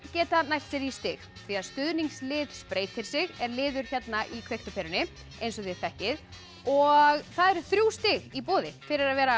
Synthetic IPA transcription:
cɛːt̪anajr̥t̪sɛɾist̪ɪɣ | θiaðst̪ʏðniŋslɪːðspɾeːjt̪ʰɪl̥sɪɣɛɾlɪːðʏɾ̥çɛt̪naʔikʰvejht̪ʏpʰeːɾʏnɪ | ejns̬ɔθɪ̥fɛhcɪð | ɔɣθaðɛɾθɾjuwst̪ɪɣipoːðɪfɪɾɪɾaðvɛːɾa

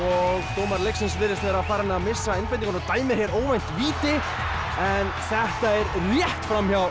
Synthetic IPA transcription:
ɔɣt̪oːwmaɾlejksɪnsvɪːɾɪst̪vɛɾaðfaːɾaɛnamɪsːaejnpaj̪t̪iŋkʰɔnɔt̪aːjmɪɾ̥hçɛɾoːwvajn̥t̪viːt̪ɪ | ɛnθɛht̪aɛɾrjɛht̪fɾamçaw

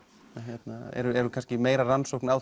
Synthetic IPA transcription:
çjɛt̪naɛ̰ɾʏɛɾʏkʰanscɪmeːjɾaransowkna

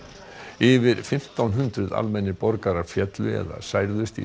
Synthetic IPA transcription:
ɪvɪɾfɪm̥t̪awnɦʏnt̪ɾʏða̰lmɛnːɪpɔɾkaɾḁfjɛt̪lʏɛ̰ða̰saːjɾðʏst̪ḭ

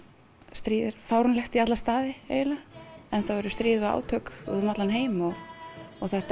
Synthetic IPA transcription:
st̪ɾiːðɪɾ̥faːwɾʏnlɛxt̪iat̪last̪aːðɪḛjɪlaɛnθawɛɾʏst̪ɾiːðvaa̰ːwt̪ʰœkʏ̰ðnat̪lanɦeːjmɔɣɔɣθɛht̪

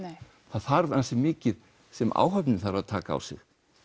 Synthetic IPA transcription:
θaðθaɾvansɪmɪːcɪð | sɛma̰ːwɦœpnɪθaɾaðt̪ʰaːkaa̰wsɪ̰x

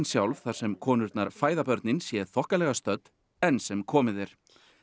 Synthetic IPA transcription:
nsjawlvθaɾ̥sɛmkʰɔːnʏɾt̪naɾ̥faːjðapœɾt̪nɪnsjɛθɔhkalɛɣast̪œt̪ | ɛnːsɛmkʰɔːmɪðɛɾ̥

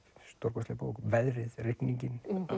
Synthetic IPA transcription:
st̪ɔɾkɔslɪːpaɔkvɛðɾɪðrɪhpniɲcɪn

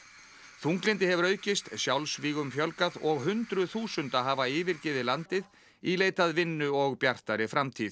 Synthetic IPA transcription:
θuŋklɪnt̪ɪɦɛvʏɾœːɥcɪst̪sjawlsviːɣʏmfjœlkaðɔɣɦʏnt̪ɾʏθuːsʏnt̪aɦaːvaɪːvɪɾcɪðɪlant̪ɪð | ileːjt̪aðvɪnːʏɔɣpjar̥t̪aɾɪfɾamt̪ʰiːð

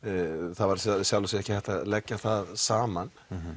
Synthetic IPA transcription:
θaðvaɾsɛsjawlʏsɪɛhcɪθɛht̪aðlɛcːaθaðsaːman

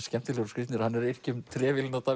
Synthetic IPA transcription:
scɛm̥t̪ɪlɛɣɾʏ̥skɾɪt̪nɪɾhanːɛɾer̥cʏmt̪ʰɾɛːvɪlɪnɔt̪a

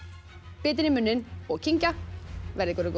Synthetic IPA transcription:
pɪːt̪ɪnɪmʏnːɪnɔɣcʰiɲcavɛɾðɪkɔɾɪk

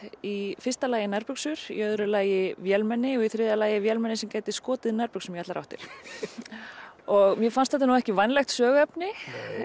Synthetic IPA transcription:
ifɪ̥rst̪alaːjɪnaɾpʏksʏɾ̥ḭœðɾʏlaːjɪvjɛlmɛnːɪɔɣiθɾɪːðalaːjɪvjɛlmɛnːɪsɛmcaːjt̪ɪskɔːt̪ɪðnɛɾpʏksɛmjɛat̪laɾa̰ht̪ɪ̰ɾ̥ | ɔɣmjɛfanst̪θɛt̪̬ːanuɛhcɪvajnlɛxt̪sœːɣɛpnɪ

